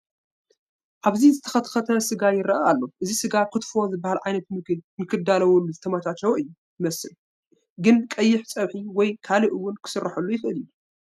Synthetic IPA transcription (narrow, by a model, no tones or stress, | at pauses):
ʔaβzizɨt̪ʰɐxɐt̪xɐt̪ʰɐsɨɡajɪɾɐʔaalːo̞ʔɨzisɨɡakʰɨt̪fo̞zɨbːahalʕajnɐt̪mɨkɨnjɪkʰɨd̪alɐwulːuzɨt̪ʰɐmat̪ʰat͡ʃːɐwʔɨjːu | jɨmɐsɨl | ɡɨnkʼɐjːɪħt͡sʼɐβħiwɔjkʰalɨʔɨwːʊnkʰɨ̥sɨrːaħɐlːujɪxʔɨlɨju